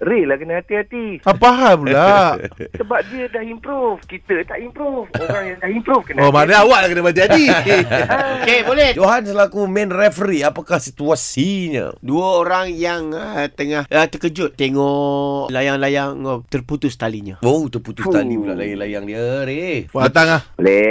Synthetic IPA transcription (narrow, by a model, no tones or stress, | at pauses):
ɾelahkənahat̪iɦat̪iapaɦabulaʔəbap̚diədahimpɾufkit̪ət̪aʔimpɾufoɾaŋjaŋdahimpɾufkənaomanaawaʔlahkənabat̪iat̪i | okebolɛhd͡ʒoɦansəlakumɛ̃nrɛfɾiapakahsit̪uasiɲə̰duəoɾaŋjaŋət̪əŋahət̪əkəd͡ʒʊt̪ːeŋɔʔlajaŋlajaŋt̪ərput̪ʊst̪aliɲaot̪ərput̪ust̪alibula̰ʔlajalajaŋdiəɾeat̪aŋlaholɛ